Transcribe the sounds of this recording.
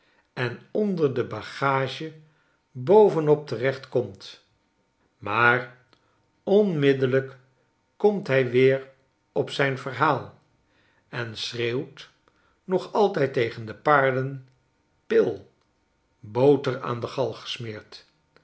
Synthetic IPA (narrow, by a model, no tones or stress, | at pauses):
ɛnɔndəɹdəbaχaːʒə | bowvənɔp̚tərɛχtkɔmt | maːr | ɔnmɪdələk | kɔmtɦɛjʋɪːɹ | ɔpsɛjnvəɹɦaːlˠ | ɛnsreːwt | nɔχɑlˠtɛjtejχəndəpaːɹdən | pɪlˠ | bowtəra̰ːndəχɑlˠχə̥smɪːɹt